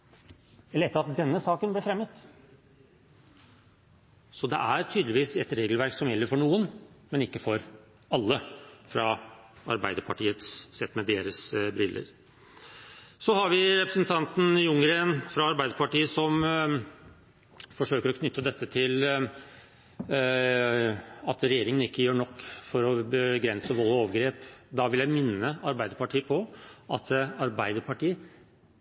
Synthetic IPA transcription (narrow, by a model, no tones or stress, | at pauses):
ɛlːəɛt̪ːəɾɑt̪d̪ɛnːəsɑːkənblɛfɾɛmːət̪ | sɔd̪ɛ̰ʔæɾt̪ʰyːd̪lɪʋiːsɛt̪ɾeːɡəlʋæɾksɔmjɛlːəɾfɔɳuːənmɛnɪkːəfɔɾ | ɑlːəfɾɑɑ̰ɾbæɪd̪əɾpʰɑʈiːət̪sːɛt̪ːmɛd̪eːɾəsbɾɪlːʔə̰ɾ | sɔhɑɾʋɪɾɛpɾəsnt̪ʰɑnt̪n̩jʊŋɾeːnfɾɑɑɾbæɪd̪əɾpɑʈiːəsɔm | fɔʂøːkəɾɔkʰnʏt̪ːəd̪ɛt̪ːət̪ʰɪl | ɑt̪ɾɛjeːɾɪŋənɪkːəjøːɳɔkːfɔɾɔbəɡɾɛnsəʋɔlːoːʋəɡɾeːpd̪ɑʋɪljæɪmɪnːəɑɾbæɪd̪əɾpɑʈʰiːəpʰɔʔɑt̪ɑɾbæɪd̪əɾpɑʈiːə